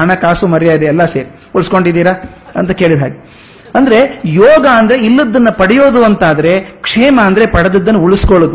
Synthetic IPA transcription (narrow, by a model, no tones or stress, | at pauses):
ɐɳɐkaːsumɐɾijaːjid̪eːlːɐseːɾi | uɭskoɳɖid̪iːɾɐɐ̰nt̪ɐkeːɭid̪ɦaːɡi | ɐnd̪ɐɾe̞jɔːɡɐːnd̪ɐɾeilːɐd̪ːɐnːɐpɐɽijo̞ːd̪uɐnt̪aːd̪ɐɾe̞kʂeːmɐːnd̪ɐɾe̞pɐɽɐd̪ɐd̪ːɐnːuuɭuskoɭod̪u